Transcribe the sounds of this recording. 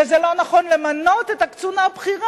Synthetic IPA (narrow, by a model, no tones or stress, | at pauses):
ezelo̞naχo̞nlemano̞t̪et̪akt͡sunabχiʁa